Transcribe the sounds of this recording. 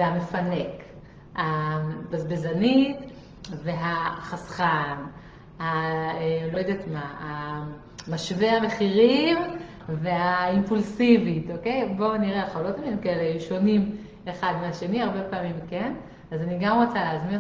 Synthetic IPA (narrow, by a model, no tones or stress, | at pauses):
veame̞fane̞k | habazbezanit̪ | ve̞ɦaχasχan | haelojd̪et̪maa | maʃvehame̞χiʁim | ve̞aimpulsivit̪oke̞jbo̞niʁeaχolot̪aminimkaelejuʃo̞nim | eχad̪meaʃe̞niaʁbe̞paːmimken | azaniɡamʁot͡saleazmin